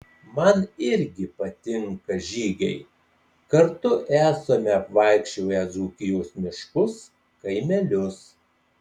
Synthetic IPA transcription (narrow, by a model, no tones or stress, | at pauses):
mɐnɪɾʲɡʲɪpɐt̪ʲɪŋkɐʒʲiːɡʲɛɪ | kɐɾt̪ʊʔæːsomʲɛɐpʋɐˑɪkʃʲt͡ʃʲoːjɛzuːkʲɪjoːsmʲɪʃkʊs | kɐɪmʲɛlʲʊs